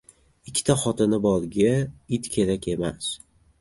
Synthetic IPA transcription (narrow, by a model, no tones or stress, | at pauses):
ɪkʲʰːɪ̥t̪ʰaχɒt̪ɪnɪbɒlˠɡʲaɪt̪kʲʰe̞ɾakʲʰe̞mas